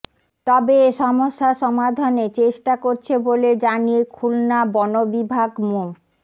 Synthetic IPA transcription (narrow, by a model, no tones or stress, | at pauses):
t̪ɔbeːʃɔmoʃːaʃɔmad̪ʱonet͡ɕeʃʈakoɾt͡ɕʰeboled͡ʑanijekʰulnabɔnobibʱaɡmu